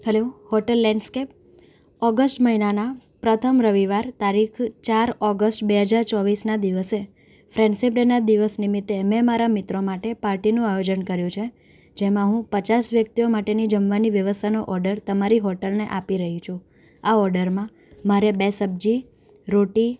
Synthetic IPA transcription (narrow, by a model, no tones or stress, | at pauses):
ɦəlohɔʈəlːɛ̃ɳɖskep̚ | ɔɡəsʈməɦinanapɾət̪ʰəmɾəʋiʋaɾt̪aɾikʰt͡ʃaɾɔɡəsʈbeɦəd͡ʒaɾt͡ʃɔʋisnad̪iʋəse | fɾɛ̃ɳɖsipɖenad̪iʋəsnimit̪ːemɛ̃maɾamɪt̪ɾomaʈepaɾʈinũajod͡ʒənkəɾjũt͡ʃʰe | d͡ʒemãɦũpət͡ʃasʋjək̚t̪iomaʈenid͡ʒəmʋaniʋjəʋəst̪ʰanoʔɔɾɖəɾt̪əmaɾiɦɔʈəlneʔapiɾəɦit͡ʃʰũ | aɔɾɖəɾmã | maɾebesəb̚d͡ʒi | ɾoʈi